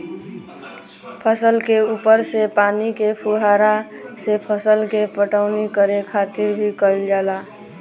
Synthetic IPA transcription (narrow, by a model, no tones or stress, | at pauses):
pʰəsəlkeuːpəɾsepaːnikepʰuɦaːɾa | sepʰəsəlkepəʈaʊnikəɾekʰaːt̪ɪɾbʱikəld͡ʒaːla